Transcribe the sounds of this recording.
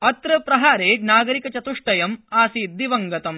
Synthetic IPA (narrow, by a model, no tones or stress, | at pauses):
ɐt̪ɾɐpɾɐɦaːɾeːd͡ʒnaːɡɐɾikɐt͡ʃɐt̪uʂʈɐjɐmaːsiːd̪iʋɐŋɡɐt̪ɐm